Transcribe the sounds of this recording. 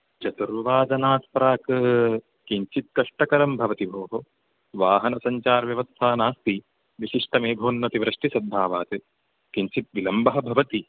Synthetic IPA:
t͡ʃɐt̪uɾʋɐʋaːd̪ɐnaːt̪pɐɾaːkɐ | kiɲt͡ʃit̪̚kɐʂʈɐkɐɾɐmbʱɐʋɐt̪ibʱoːɦo | ʋaːɦɐnɐsɐɲt͡ʃaːɾʋjɐʋɐst̪ʰaːnaːst̪i | ʋiʃiʂʈɐmeːɡʱoːnːɐt̪iʋɾɐʂʈisɐd̪ʱːaːʋaːt̪ɨ | kiɲt͡ʃit̪̚ʋilɐmbɐɦɐ̆bʱɐʋɐt̪i

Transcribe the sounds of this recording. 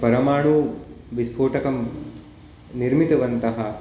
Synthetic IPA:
pɐɾɐmaːɳu | ʋisbʰʱoːʈɐkɐm | niɾmit̪ɐʋɐnt̪ɐɦɐ

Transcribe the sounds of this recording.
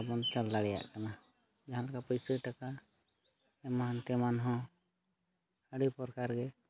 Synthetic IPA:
abɔnt͡ʃalːaɽɛja̰ʔkana | d͡ʒaɦãlakapəjsəʈaka | ɛmaɦant̪ɛmanɦɔ̃ | əɽipɔɾkaɾɡɛ

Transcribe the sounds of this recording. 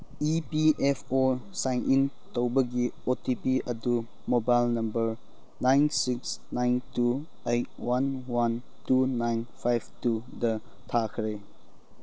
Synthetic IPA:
ipiʔepʰo | sajnʔin | towbɐɡiotipiʔɐdu | mobajlnɐmbəɾ | najnsiksnajntu | ejt̚wanwan | tunajnpʰajbtu | dɐ | tʰakʰɾe

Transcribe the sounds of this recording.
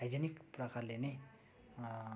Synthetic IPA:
ajd͡zenikprʌkarlene

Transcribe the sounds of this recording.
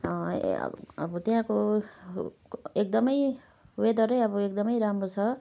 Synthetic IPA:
ʌ̰ | ʌ̰bʌt̪eɦãko | ek̚d̪ʌmʌj | wed̪ʌɾʌjʌbʌek̚d̪ʌmʌjɾamrot͡sʰʌ

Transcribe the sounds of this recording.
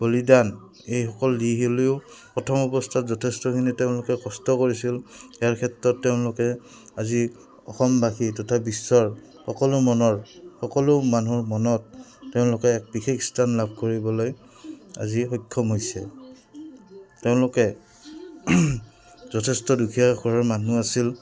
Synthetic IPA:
b̥olidan | ejxɔkɔldiɦileʊpɹɔtʰɔmɔbɔstʰatzɔtʰestɔkʰiniteʊ̃lʊkɛkɔstɔkoɹisiliaɹkʰɛtɹɔtːeʊ̃lʊkɛ | azi | ɔ̰xɔmbaxitɔtʰabisːɔɹ | xɔkɔlʊmɔnɔɹxɔkɔlʊmanuɹmɔnɔtːeʊ̃lʊkɛːk̚bikʰekstʰanlab̚ʱkoɹibɔloj | a̰zixɔjkʰːɔmɦojsɛ | teʊ̃lʊkɛ | zɔtʰɛstɔdukʰijaɡʰɔɹaɹmanuasil

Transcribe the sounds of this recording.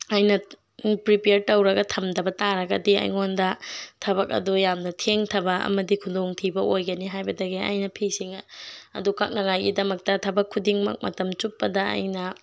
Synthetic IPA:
ajnɐ | pɾipeɾtɐwɾɐɡɐtʰɐmdɐbɐtaɾɐɡɐdiɐ̰jŋondɐtʰɐβɐk̚ɐ̰dujamnɐtʰeŋtʰɐbɐɐ̰mɐdikʰudoŋtʰibɐʔojɡɐniɦajbɐdɐɡeɐ̰jnɐpʰisiŋɐ̰dukak̚nɐŋajɡidɐmɐk̚tɐtʰɐbɐkʰːudiŋmɐ̰k̚mɐ̰tɐmt͡ʃupːɐdɐ̰jnɐ

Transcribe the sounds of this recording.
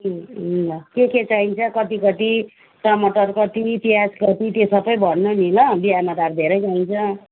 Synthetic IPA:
keket͡saint͡sʰʌkʌt̪ikʌt̪i | ʈʌmʌʈʌrkʌt̪iːt̪iɦad͡zkʌt̪it̪esʌbʌjbʱʌɽnomilʌbiɦamad̪ard̪ʱeɾʌjt͡saint͡sʰʌ

